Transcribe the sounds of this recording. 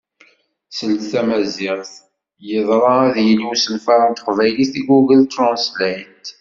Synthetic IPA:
səld̪θæmæzɪʁθ | jəðˤɾˤɑæðjəlwusənfɑɾˤɑnt̪ə̥qvæjliθiɡuɡəlt̪ɾɑ̃nslæjt̪

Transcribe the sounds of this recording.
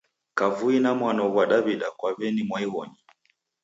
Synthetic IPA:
kavuinamwanɔɣwaɗaβiɗakwaβɛnimwaiwɔɲi

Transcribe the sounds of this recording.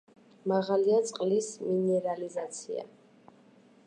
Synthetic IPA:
maʁaliat̪sʼqʼlisminɛɾalizat̪sʰḭa̰

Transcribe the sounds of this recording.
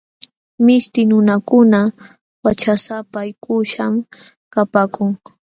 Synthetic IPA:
mɪʃt̪ɪnʊnakʊna | wat͡ʃasapaːjkʊʃam | kapaːkʊŋ

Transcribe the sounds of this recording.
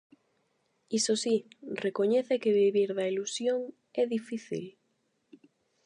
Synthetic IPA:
isosirekoɲɛθekeβiβiɾðɐilusjoŋ | ɛðifiθḭl

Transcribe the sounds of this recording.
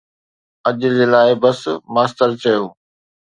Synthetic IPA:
ɐʄʊ̆d͡ʑelaːɪbɐsmaːst̪əɾt͡ɕɐjoː

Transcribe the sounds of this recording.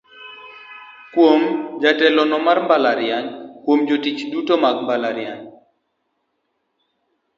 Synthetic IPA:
kwomd͡ʒatɛlɔnɔmarmbalaɾjaɲkwomd͡ʒotit͡ʃdutomaɡmbalaɾjaɲ

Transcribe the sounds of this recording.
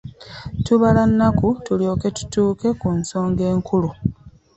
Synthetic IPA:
tuβalanːakutuljo̞ːke̞tu̥tuːke̞kunso̞ːŋɡe̞ːŋkʰulu

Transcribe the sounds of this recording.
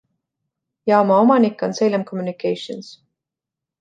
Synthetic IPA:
jɑo̞mɑo̞mɑnikːˑo̞nse̞jlemkʰo̞mjunikːejʃons

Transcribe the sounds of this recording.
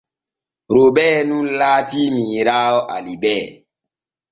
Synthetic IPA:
ɾobɛːnunlaːtimiːɾaːɔʔa̰libɛː

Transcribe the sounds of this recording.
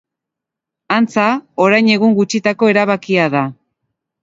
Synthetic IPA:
ant͡sao̞ɾajɲe̞ɣ̞uŋɡut͡ʃit̪ako̞e̞ɾaβakiaða

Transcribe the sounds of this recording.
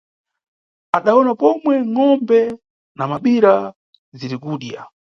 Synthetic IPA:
aɗaɔnapɔmwɛŋɔmbɛ | namaɓiɾa | ziɾikuːɗja̰

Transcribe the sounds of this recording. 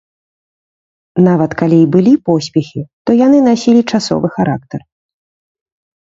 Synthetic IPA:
navɐt̪kalʲiibɨlʲipɔsʲpʲɛxʲit̪ɔjan̪ɨn̪asʲilʲit͡ʂasɔ̰vɨxaɾa̰k̚t̪ɐr

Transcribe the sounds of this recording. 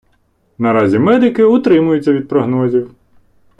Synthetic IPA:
nɐɾɑzʲimɛd̪ɪkɪʊt̪ɾɪmʊjʊt͡sʲːɐʋʲid̪̚pɾɔɦnɔzʲiw

